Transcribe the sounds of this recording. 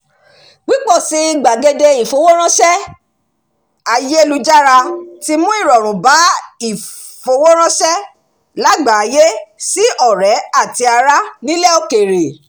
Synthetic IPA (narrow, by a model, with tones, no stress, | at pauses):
ɡ͡bi˨˦k͡pɔ˦˨si˨˦i˦˨ɡ͡ba˨ɡe˧de˧i˨fo˨wo˦ɾ̃ã˦ʃɛ˦ | a˧je˦e˦˧lu˦d͡ʒa˦ɾa˧ti˦mũ˦i˦˨ɾɔ˨ɾ̃ũ˨ba˨˦i˦˨ | fo˧˦wo˦ɾ̃ã˦ʃɛ˦ | la˦ɡ͡ba˨a˨˧je˦si˦ʔɔ˦˨ɾɛ˨˦a˦˨ti˧˦a˧ɾa˦nĩ˦lɛ˦˨o˦˨ke˨ɾe˨